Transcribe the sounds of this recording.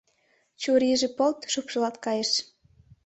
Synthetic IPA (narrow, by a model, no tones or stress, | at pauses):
t͡ɕuɾiʒĕpolt̪ʃupʃɤlɑt̪kɑjeʃ